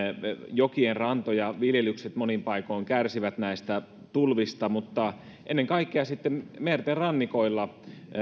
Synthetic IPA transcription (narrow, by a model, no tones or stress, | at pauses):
jokienrɑnt̪ojɑʋiljelykset̪monimpɑikoiŋkærsiʋæt̪næist̪æ | t̪ulʋist̪ɑmut̪ːɑ | ʔenːeŋkɑikːeɑsit̪ːemmert̪erɑnːikoilːɑ